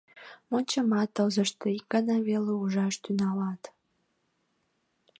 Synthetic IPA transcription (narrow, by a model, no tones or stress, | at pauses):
monʲt͡ɕəmɑt̪əlzəʃt̪eik̚ɡɑnɑβeleuʒɑʃt̪ynɑlɑt̪